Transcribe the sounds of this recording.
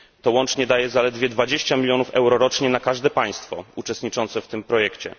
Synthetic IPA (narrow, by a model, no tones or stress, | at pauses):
t̪ɔwɔnt͡ʂɲɛd̪ajɛzalɛd̪vʲjɛd̪vad͡ʑeɕt͡ɕamʲilʲjɔnufɛwɾɔɾɔt͡ʂɲɛnakaʐd̪ɛpaj̃st̪fɔut͡ʂɛst̪ɲit͡ʂɔnt̪sɛft̪ɘmpɾɔjɛkt͡ɕɛ̰